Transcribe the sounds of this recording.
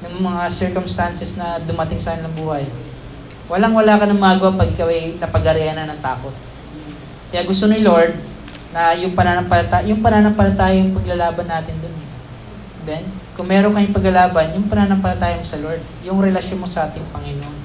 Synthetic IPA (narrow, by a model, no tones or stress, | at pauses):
nɐŋmɐŋasɛɹkomst̪ansɛsnɐd̪ʊmɐt̪ɪŋsɐkɐnɪlɐŋbuːhɐj | wɐlaŋwɐlaːkɐnɐŋmaɡʊwɐpɐɡʔɪkawɐjnɐpɐɡɐɾɛɐnɐnɐŋt̪aːko̞t̪̚ | kɐjaːɡʊst̪onɪlo̞ɹd̪̚ | nɐjʊŋpɐnaːnɐŋpɐlɐt̪ajʊŋpɐnaːnɐmpɐlɐt̪aːjɐjʊŋpɐɡlɐlaːbɐnːaːt̪ɪnd̪onɛ | bɛnkʊŋmɛːɾoŋkɐɪŋpɐɡlɐlaːbɐnjʊŋpɐnaːnɐmpɐlɐt̪aːjɐmosɐloɹd̪̚jʊŋɾɛlɐʃjonmo̞sɐʔaːt̪ɪŋpɐŋɪnon